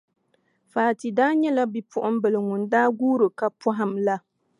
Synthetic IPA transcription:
faː˨ti˨daː˦ɲɛ˦la˦bi˨pʊ˦ʔʊ˦m˦bɨ˨lɨ˨ŋʊ˨ndaː˦ɡuː˦ɾɨ˨ka˨pɔ˦ɦɪ˨mla˦

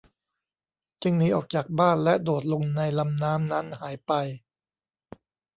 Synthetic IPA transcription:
t͡ɕɯ˧ŋniː˩˦˥ʔɔː˨˩k̚t͡ɕaː˨˩k̚baː˥˩nlɛ˦˥doː˨˩t̪̚lo˧ŋna˧jla˧mnaː˦˥mna˦˥nhaː˩˦jpa˧j

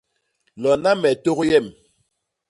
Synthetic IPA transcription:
lɔ˨na˦mɛ˨to˦ɣjɛ˦˨m

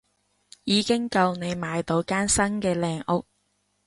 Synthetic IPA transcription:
jiː˨˧kɪ˥ŋkɐ˧wne˨˧jmaː˨˧jt̪o˨˧wkaː˥nsɐ˥nkɛː˧lɛː˨˧ŋʊ˥k̚

